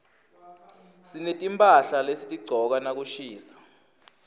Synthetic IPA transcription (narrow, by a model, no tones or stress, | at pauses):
sinetʼimpʼaɬalesitʼiɡ͡ǀʱɔk̬anak̬uʃiːsḁ